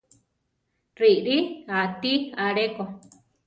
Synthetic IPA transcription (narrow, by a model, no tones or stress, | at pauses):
riʔɾiat̪iaɾeko